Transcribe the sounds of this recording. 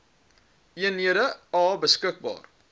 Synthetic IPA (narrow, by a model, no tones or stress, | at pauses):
iənɦiəɾəɑːbəskək̚bɑ̰ːr